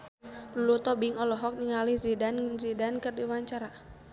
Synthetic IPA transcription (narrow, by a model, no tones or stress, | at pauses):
lulut̪ɔbiŋɔlɔɦɔk̚niŋalihzidanzidankərdiwaɲt͡ʃaɾa